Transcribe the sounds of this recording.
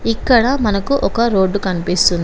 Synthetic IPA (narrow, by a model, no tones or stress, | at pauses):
ikːɐɽɐmɐnɐkuʔɔkɐɾo̞ːɖːukɐnipist̪und̪